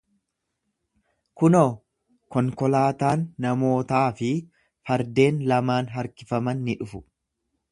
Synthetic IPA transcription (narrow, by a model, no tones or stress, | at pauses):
kʊnoː | kɔŋkɔlaːt̪aːnːɐmo̞ːt̪aːfɪ | fɐɾd̪e̞ːnlɐmaːnɦɐɾkɪfɐmɐnːɪᶑʊfʊ